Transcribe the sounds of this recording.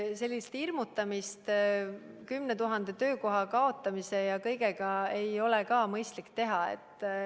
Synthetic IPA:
se̞lʲːist̪irmut̪ːˑɑmist̪ | kymne̞t̪uɦɑnd̪̥e̞t̪ø̞ːko̞ɦɑkɑo̞t̪ˑːɑmise̞jɑkɤjɡeɡɑe̞jo̞lekɑːmɤjst̪likːt̪e̞ɦɑe̞̰t̪ːˑ

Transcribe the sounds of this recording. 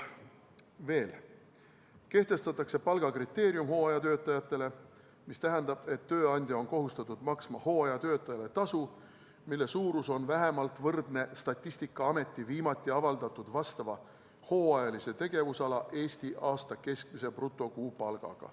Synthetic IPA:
ve̞ːl | ke̞ht̪e̞st̪ɑt̪ːˑɑkse̞pɑlɡ̥ɑkrit̪ːe̞ːɾjumho̞ːɑjɑt̪ø̞ːt̪ːˑɑjɑt̪ːˑe̞le̞ | mist̪æɦɛnd̪̥ɑb̥e̞t̪ːø̞ːɑnʲd̪̥ʲjɑo̞nko̞ɦust̪ɑt̪ːud̪̥mɑksmɑho̞ːɑjɑt̪øːt̪ːˑɑjɑle̞t̪ɑsu | milːe̞suːɾuso̞nvæɦe̞mɑlt̪vɤrd̪ne̞st̪ɑt̪ʲˑːisʲt̪ikːˑɑɑme̞t̪ˑːiviːmɑt̪ːˑiɑvɑld̪ɑt̪ːˑud̪̥vɑst̪ɑvɑ | ho̞ːɑjɑlise̞t̪e̞ɡe̞vusɑlɑʔe̞ːsʲt̪iʔɑːst̪ɑke̞sk̚mise̞prut̪ːˑo̞kuːpɑlɡ̥ɑ̰ɡ̥ɑ̰

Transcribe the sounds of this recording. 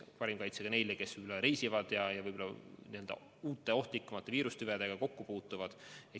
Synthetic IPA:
pɑɾimkɑjt̪seɡ̥ɑne̞jleke̞svɯjbolːɑɾejsivɑd̪̥jɑjɑvɯjbolːɑniø̞ld̪̥ɑ̰ | uːt̪ːˑe̞o̞ht̪likːˑɑmɑt̪ːˑeviːɾust̪yved̪̥e̞ɡ̥ɑko̞kːupuːt̪ːˑuvɑd̪̥e

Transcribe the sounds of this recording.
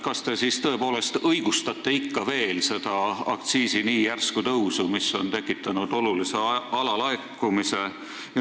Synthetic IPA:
kɑst̪e̞sist̪ɤ̞e̞po̞ːle̞st̪ɤjɡ̥ust̪ɑt̪ːˑe̞ikːɑve̞ːlse̞d̪̥ɑɑ̰k̚t̪siːsiniːjærskut̪ɤwsumisːo̞nt̪e̞kːˑit̪ːˑɑnud̪̥o̞lulise̞ɑlɑlɑekːumise̞

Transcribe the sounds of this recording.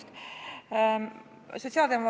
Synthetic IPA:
t̪ | so̞t̪ʲsiɑːld̪emov

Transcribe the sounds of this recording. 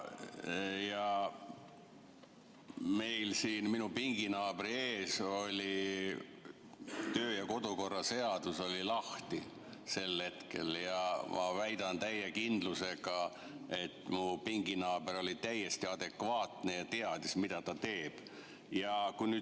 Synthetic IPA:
jɑ | me̞jlsiːnminupiŋɡ̥inɑːb̥ɾieːso̞lʲi | t̪ø̞ːjɑko̞d̪̥uko̞rːɑse̞ɑd̪uso̞lʲilɑht̪i | se̞lːe̞t̪ke̞̰ljɑmʔɑ̰væjd̪̥ɑnt̪æjːekind̪luse̞ɡɑ | e̞t̪ːˑmupiŋɡinɑːbeɾo̞lit̪æjːest̪iɑd̪̥e̞kvɑːt̪nejɑt̪eɑd̪ismid̪̥ɑt̪ɑt̪e̞ːb̥ | jɑkujnyː

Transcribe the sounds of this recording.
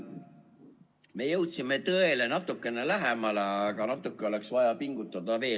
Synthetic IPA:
me̞jɤwt̪sime̞t̪ɤe̞le̞nɑt̪ːˑukːˑe̞nelæɦe̞mɑleɑɡ̥ɑnɑt̪ːˑukːe̞o̞le̞ksvɑjɑpiŋɡ̥ut̪ːˑɑd̪̥ɑve̞ː

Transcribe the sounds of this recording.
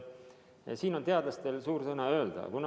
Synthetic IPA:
siːno̞nt̪e̞ɑd̪lɑst̪e̞lsuːɾsɤnɑø̞ːld̪̥ɑ̰kun

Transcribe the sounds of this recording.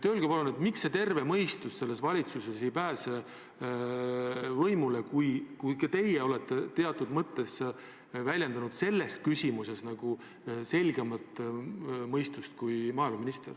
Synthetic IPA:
t̪øːlɡ̥epɑlunet̪miksːe̞t̪e̞rve̞mɤjst̪usse̞lːe̞svɑlʲit̪suse̞sejpæːse | vɤjmule̞kujkujkɑt̪e̞jeo̞let̪ːe̞t̪e̞ɑt̪ːˑud̪mɤt̪ːe̞s | vælʲje̞nd̪ɑnud̪̥se̞lːe̞s̚kysʲimuse̞snɑɡ̥u | se̞lʲɡemɑt̪ːˑ | mɤjst̪ust̪̚kujmɑːilmɑminist̪er

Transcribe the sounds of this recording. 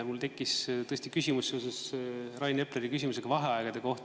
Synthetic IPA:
mult̪e̞kːist̪ɤ̞esʲt̪ikysʲimusːse̞osesrɑjnepleɾikysʲimus̬eɡ̥ɑvɑɦeɑeɡ̥ɑd̪̥eko̞ht̪

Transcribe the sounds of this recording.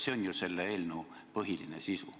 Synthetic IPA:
seonʲjuse̞lːeeːlnu | pɤɦilḭnḛsisṵ

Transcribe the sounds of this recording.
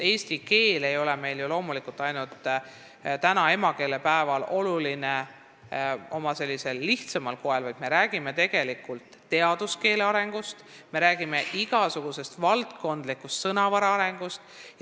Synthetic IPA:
e̞ːst̪ike̞ːle̞jo̞lɛme̞jljulo̞ːmulikult̪ːˑɑjnult̪ː | t̪ænɑe̞mɑke̞ːle̞pæevɑlo̞luline | o̞mɑse̞lːise̞lːiht̪sɑmɑlko̞ɦelvɑjd̪me̞ɾæːɡ̥ime̞t̪e̞ɡ̥e̞likult̪ːe̞ɑd̪̥uske̞ːleɑɾe̞ŋɡ̥ust̪ | me̞ɾæːɡ̥ime̞ʔiɡ̥ɑsuɡ̥use̞st̪vɑlt̪ko̞nd̪̥likːust̪sɤnɑvɑɾɑɑɾe̞ŋɡ̥ust̪

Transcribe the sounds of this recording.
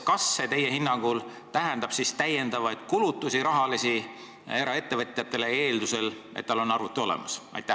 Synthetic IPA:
kɑsːe̞t̪e̞je̞hinːɑŋɡ̥ul | t̪æɦend̪̥ɑb̥sist̪æje̞nd̪̥ɑvɑjd̪̥kulut̪ːˑusiɾɑɦɑlisi | e̞ɾɑe̞t̪ːe̞vɤ̞t̪ʲˑjɑt̪ːe̞le̞eːld̪use̞lʔet̪t̪ːɑlo̞nːɑrvut̪ːˑuo̞lḛmɑ̰sɑ̰jt̪ːˑæ

